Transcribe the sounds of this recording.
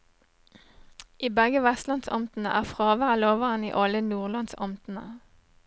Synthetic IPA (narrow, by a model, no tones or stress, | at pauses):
ʔiːbɛɡəʋɛst̪lɑnsɔ̰mt̪n̩əʔæːʁfʁɑːʋæʁəloːʋəʁənḭːʔɑlənuːʁlɑnsɔmt̪n̩ə̰